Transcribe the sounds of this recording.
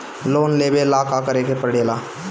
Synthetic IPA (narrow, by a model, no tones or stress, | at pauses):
loːnleːbelaːkaːkəɾeːkepəɾɽeːlaː